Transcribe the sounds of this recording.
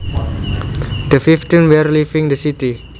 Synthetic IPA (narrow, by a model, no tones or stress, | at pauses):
d̥əfiftĩnwɛrlifĩŋdəsiti